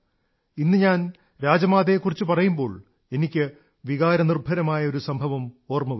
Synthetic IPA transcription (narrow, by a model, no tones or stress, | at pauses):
inːɨɲaːn | ɾaːd͡ʑɐmaːd̪ekːurit͡ɕːupɐrɐjumbo̞ːɭ | e̞nikʲːɨ | ʋiɣaːɾɐnirbʱɐɾɐmaːjɐo̞ɾusɐmbʱɐʋɐmo̞ːrmɐʋ